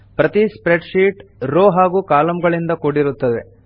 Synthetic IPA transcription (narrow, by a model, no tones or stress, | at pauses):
pɾɐt̪ispɾeɖʃiːʈɾoːɦaːɡuːkaːlɐmɡɐɭind̪ɐkoɽiɾut̪ːɐd̪e̞̰